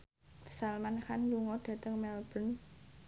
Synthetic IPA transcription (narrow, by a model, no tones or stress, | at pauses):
pə̥salmanxanluŋɔɖ̥ä̤t̪əŋmɛlb̥ə̤n